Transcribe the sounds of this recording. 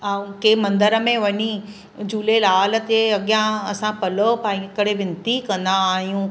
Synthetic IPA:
akeːmɐ̃nd̪əɾə̆mẽʋɐɲi | d͡ʑuːlelaːlət̪eɐɠijãɐsãpɐlopaːĩekəɽ̤eʋɪ̃nt̪ikɐ̃nd̪aːɦijũː

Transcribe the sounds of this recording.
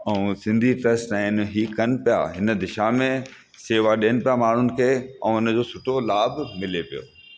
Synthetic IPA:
ɛ̃ũsɪ̃nd̪ʱiʈɐsʈãɪnɦiːkɐnɪ̆pija̰ɦɪnə̆d̪ɪʃamẽ | seːʋaɗiːənɪpijamaːɳ̤ʊnɪ̆kʰeːɛ̃ʊnə̆d͡ʑoːsʊʈʰolaːbmɪlepijo̰ː

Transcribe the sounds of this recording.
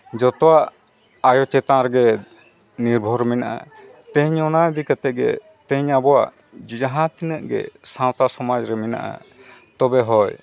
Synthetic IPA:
d͡ʒɔt̪ɔwaʔ | ajɔt͡ʃɛt̪ãɾɛɡɛ | niɾbʱɔɾɛmɛnaʔa̰ | t̪ɛ̃ɲɔnad̪ikat̪ɛɡɛ̰t̪ɛ̃ɲabɔwaʔd͡ʒd͡ʒaɦãt̪inəʔɡɛ̰sãwt̪asɔmad͡ʒɾɛmɛna̰ʔa̰ | t̪ɔbɛɦɔj

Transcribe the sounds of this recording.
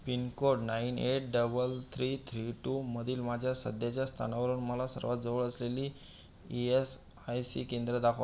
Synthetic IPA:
pinkoɽnaineʈ̚ɖəbəlt̪ʰɾiːt̪ʰɾiʈuməd̪ʱiːlmad͡ʑʱjasə̰d̪ʱjat͡ɕjast̪ʰa̰naʋəɾuːnməlasə̰ɾʋat̪̚d͡zəʋəɭəsleliː | ies | ajsḭkend̪ɾəd̪akʰa

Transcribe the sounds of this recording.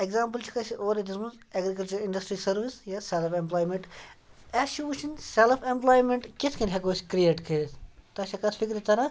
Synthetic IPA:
eɡzaːmp̬ɨlt͡ʃʰu̥kɐsiʔoːɾed̪ismunz | ɐɡɾikɐlt͡ʃɐɾiɳɖɐsʈɾisɐɾʋisjaselpemplaːjmeɳʈ | ɐʃuuʃinselfʰemplaːjmeɳʈkeskɐnʲɦekoːsʲkɾieːʈkʰeːst̪ɐt͡ʃʰɐkɐsfʰikɾit̪ɐɾɐ

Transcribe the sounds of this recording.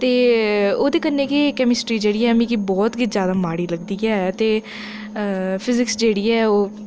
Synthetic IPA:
t̪eːoːd̪eːkənːeːkikɛːmɪsʈɾiːd͡ʒeːɽiːɛːmĩːkibɔːt̪ɡɪzjaːd̪aːmaːɽiːləɡd̪iːɛːt̪eː | pʰɪzɪksd͡ʒeːɽiːɛːoː

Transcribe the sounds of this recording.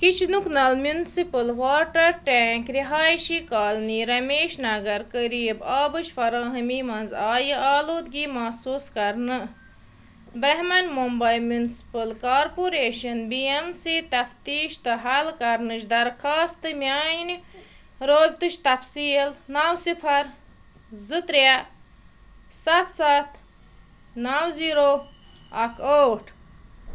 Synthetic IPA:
kit͡ʃʰnuknɐlmjunsipɨlʋaːɾʈɐɾʈeːŋkɾiɦaːjʃikaːlniɾɐmeːʃnɐɡɐɾkəɾiːbaːbɨʃfɐɾãːɦɨmiːmɐnzaːjɨʔaːloːd̪ɡiːmɐsuːskɐɾnɨ | bɾɐɦmɐnmumbɐjmjunsi̥pɨlkaːɾpuɾeːʃɐnbiemsiːt̪ɐft̪iːʃt̪ɨɦɐlkɐɾnɨt͡ʃd̪ɐɾxʰaːst̪ɨmjaːnni | ɾoːb̚ʲt̪ɨʃt̪ɐfsiːlnawsipʰɐɾ | zɨt̪ɾja | sɐt̪sat̪ | nawziːɾoː | ɐkʰoːʈʰ

